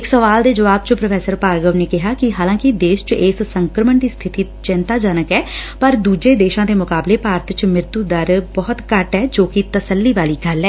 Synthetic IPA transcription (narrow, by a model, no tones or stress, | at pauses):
ɪksəʋaːld̪eːd͡ʒəʋaːb̚t͡ʃəpɾəfʰɛːsəɾpaːɾɡəʋneːkɪɦaːkɪɦaːlãːkɪd̪eːʃt͡ʃɪːssəŋkɾəməɳd̪iːst̪ʰɪt̪iːt͡ʃɪnt̪aːd͡ʒənəkɛːpəɾd̪uːd͡ʒeːd̪eːʃãːd̪eːmʊkaːbleːpaːɾət̪ʰt͡ʃmɪɾt̪uːd̪əɾbɔːt̪kəʈɦɛːd͡ʒoːkɪt̪əsəlːiːʋaːliːɡəlɛː